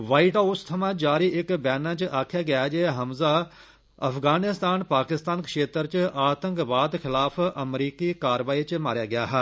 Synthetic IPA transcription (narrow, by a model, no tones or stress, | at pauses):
ʋaːiʈaːʊst̪ʰɐmãːd͡ʒaːɾiʔɪkbɛːnãːt͡ʃʔaːkʰjaːɡɪjaːd͡ʒeːɦəmza | ɐ̰pʰɡaːnɪst̪aːnpaːkɪst̪aːnkəʃeːt̪əɾt͡ʃʔaːt̪ə̃ŋkʋaːd̪kʰɪlaːpʰəmɾiːkikaːɾʋaːit͡ʃmaːɾjaːɡɪjaːɦɛː